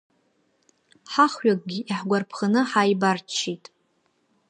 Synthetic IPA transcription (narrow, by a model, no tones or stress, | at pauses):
ħaχɥakʼɡʲiʔiħɡʷarpʰχənɨħaːjbart͡ʃʰːitʼ